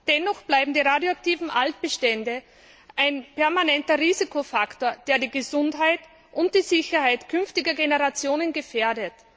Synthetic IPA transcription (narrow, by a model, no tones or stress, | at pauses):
d̥ɛnɔxb̥laɪbm̩diːʁaːdjoak̚tiːvn̩ʔalt̚b̥əʃtɛndə | ʔaɪnpɛɐmanɛntɐʁiːzikʰofaktoːɐd̥eːɐdiːɡəzʊntɦaɪt | ʔʊnt̚d̥iːzɪçɐhaɪtkʰʏnftɪɡɐɡenəʁat͡sjoːnənɡefeːɐdət